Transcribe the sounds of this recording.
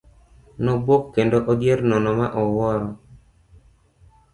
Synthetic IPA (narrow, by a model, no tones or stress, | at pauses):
nɔbwokːendoʔodjeɾnɔnɔmaʔɔwɔɾɔ